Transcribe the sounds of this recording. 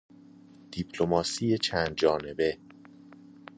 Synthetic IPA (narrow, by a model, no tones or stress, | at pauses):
d̪̥ipʰlomɒːsiːjet͡ʃʰænd̪̚d͡ʒɒːne̞be̞